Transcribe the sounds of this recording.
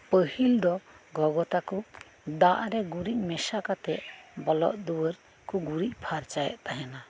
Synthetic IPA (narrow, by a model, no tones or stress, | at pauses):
pəhild̪ɔɡɔɡɔt̪aku | d̪aʔɾɛɡuɾic̚ˀmɛsakat̪ɛʔbɔlɔ̰ʔd̪uwəɾ | kuɡuɾic̚pʰaɾt͡ʃajɛ̰ʔt̪aɦɛna